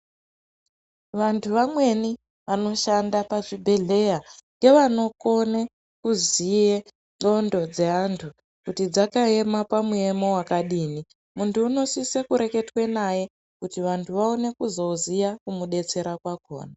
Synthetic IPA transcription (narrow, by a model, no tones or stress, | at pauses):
ʋantʰuʋamwe̞ni | ʋano̞ʃandapaʐibʱe̞ɮe̞jaŋɡe̞ʋano̞ko̞ne | kuzije | o̞ndo̞d͡ze̞ɦantʰu | kutid͡zakae̞mapamue̞mo̞wakaɗiːni | muntʰuːno̞sisekuɾe̞ke̞twe̞naje̞ | kutiʋantʰuʋaone̞kuzo̞uzijakumuɗe̞t͡se̞ɾakwako̞̰ːna